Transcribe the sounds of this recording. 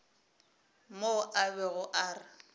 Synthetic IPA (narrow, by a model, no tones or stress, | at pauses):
moʔabɛɣʊʔaːrɪ